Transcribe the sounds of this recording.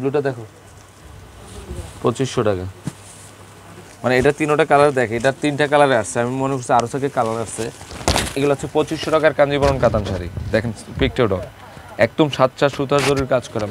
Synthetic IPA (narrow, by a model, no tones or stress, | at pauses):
bluʈad̪ɛkʰo | pot͡ɕiʃːoʈaka | maneeʈat̪inoʈakalaɾed̪ɛkʰeeʈaɾt̪inʈakalaɾeaʃt͡ɕʰeamimonekoɾsiaɾot̪ʰakekalaɾaʃsʰeeɡuleotːt͡ɕʰepot͡ɕiʃːoʈakaɾkand͡ʑibɔɾonkat̪anʃaɾḭd̪ɛkʰenpik̚ʈewɖo | ɛk̚d̪omʃat̪ʃʰaʃud̪ʱaɾd͡ʑoɾuɾiɾkad͡ʑkɔɾlam